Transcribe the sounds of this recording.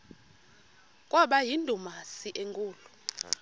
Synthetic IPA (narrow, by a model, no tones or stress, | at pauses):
kʼwɔɓajindʱumasiʔeŋkʼuːlu